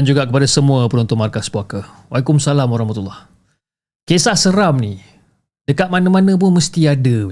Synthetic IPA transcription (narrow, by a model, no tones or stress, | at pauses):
and͡ʒuɡaʔkəpadasəmũapənunt̪ʊnmarkasbuaka | walikʊmsalamaɾaɔhmat̪ulːah | kesahsəɾamni | dəkat̪̚manamanə̃p̬ʊnməst̪iadə